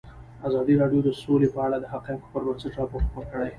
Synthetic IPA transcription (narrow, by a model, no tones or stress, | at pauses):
azɑd̪iɾɑɖjod̪əsolepəaɽad̪əɦaqemko̥pəɾməɾsəʈɾɑpoʈxpoɾkəɽaj